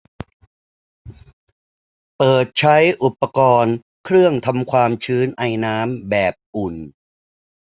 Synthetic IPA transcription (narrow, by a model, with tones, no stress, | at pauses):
pɤː˨˩t̪̚t͡ɕʰa˦˥jʔu˨˩pːa˧kɔː˧n | kʰɾɯ˥˩əŋt̪ʰa˧mkʰwaː˧mt͡ɕʰɯː˦˥nʔa˧jnaː˦˥mbɛː˨˩p̚ʔu˨˩n